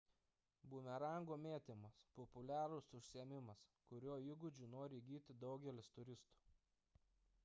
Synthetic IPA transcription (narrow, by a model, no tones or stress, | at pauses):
bumʲɛɾɐˑŋɡoːmʲeːt̪ʲɪmɐspɔpʊlʲæːɾʊsʊʃʲsʲiɛmʲɪmɐskʊɾʲuːɪɡʊd͡ʒʲuːnoːɾʲɪɡʲiːt̪ʲɪd̪ɒʊɡʲɛlʲɪst̪ʊɾʲɪst̪u̥ː